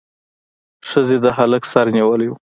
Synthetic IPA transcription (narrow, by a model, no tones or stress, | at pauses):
ʂəzed̪əɦaləksɑɾniwəleu